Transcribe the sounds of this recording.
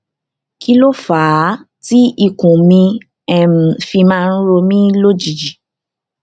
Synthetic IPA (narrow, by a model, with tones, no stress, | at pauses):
ki˧lo˦faː˨˦ | ti˦i˦˨kũ˨mĩ˧ | ɛ˨m̩̃˨fi˧mãː˦˧n̩˦ɾo˧mĩ˦lo˦d͡ʒi˨d͡ʒi˨